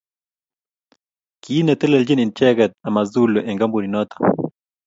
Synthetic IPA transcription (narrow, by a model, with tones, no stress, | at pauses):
ki˦nɛ˨t̪ɛ˦lɛ˨ld͡ʒi˦ni˨nt͡ʃɛ˦ɡɛ˨t̪̚a˨ma˨zu˦lo˨ʔɛ˨ŋɡa˦mbu˨ɾi˨nɔ˦t̪ḁ˨